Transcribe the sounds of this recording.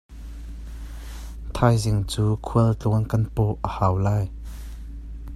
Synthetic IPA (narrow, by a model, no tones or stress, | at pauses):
t̪ʰajzɪŋt͡suːkʰuəlt͡ɬɔnkɐnpɔʔʔəhawlaːj